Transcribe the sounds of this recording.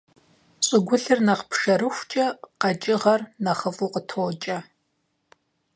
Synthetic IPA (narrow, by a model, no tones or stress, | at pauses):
ɕʷʼɪɡʷʊɬɨrnɐqpʰʂɐɾɨxʷt͡ʃʼɐqɑt͡ʃʼɪʁɐrnɐχəvuqətʰoːt͡ʃʼɐ